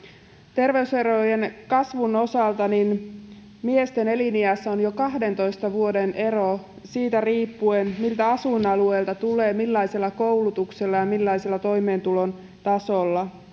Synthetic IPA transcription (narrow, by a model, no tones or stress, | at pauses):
t̪e̞rʋe̞yseɾojenkɑsʋuno̞sɑlt̪ɑnin | mie̞st̪e̞ne̞liniæsːæonjo̞kɑɦde̞nt̪o̞jst̪ɑʋuo̞denʔe̞ro | siːt̪æriːpːuenmilt̪æɑsunɑlue̞ːlt̪ɑt̪uleːmilːɑjse̞lːɑko̞wlut̪ukselːɑjɑmilːɑjse̞lːɑt̪o̞jme̞ːnt̪ulo̞n | t̪ɑso̞lːɑ